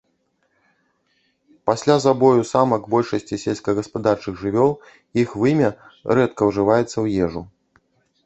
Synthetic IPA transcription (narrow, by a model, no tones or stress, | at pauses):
pasʲlʲazabɔjusamɐɡbɔlʲʂɐsʲt͡sʲisʲɛlʲsʲkɐɣɐspad̪art͡ʂɨɣʐɨvʲɔlˠ | ixvɨmʲɐɾɛt̪kɐwʐɨvajɛt̪sːɐwjɛʐu